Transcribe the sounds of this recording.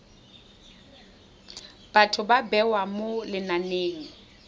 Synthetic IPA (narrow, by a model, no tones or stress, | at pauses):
b̥atʰʊbabɛwamolɪnaneːŋ̩